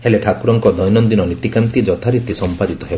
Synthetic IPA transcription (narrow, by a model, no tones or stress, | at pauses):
eleʈʰakuɾɔŋkɔd̪ɔjnɔnd̪inɔnit̪ikant̪id͡ʒɔt̪ʰaɾit̪isɔmpadit̪ɔɦeb